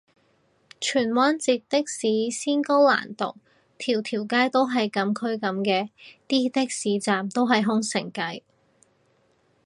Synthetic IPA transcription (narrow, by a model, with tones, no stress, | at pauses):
t͡ʃʰyː˨˩nwaː˥nt͡siː˨˧t̚t̪ɪ˥k̚siː˨˥siː˥nkɔ˥wla̰ː˨˩nt̪o̰˨k̚ | t̪ʰiː˨˩wt̪ʰiː˨˩wkaː˥jt̪o˥wɦɐ˨jkɐ˨˥mkʰɵ˥ɥkɐ˨˥mkɛː˧t̪iː˥t̪ɪ˥k̚siː˨˥t͡saː˨mt̪o˥wɦɐ˨jɦʊ˥ŋsɪ̰˨˩ŋkɐ˨˥j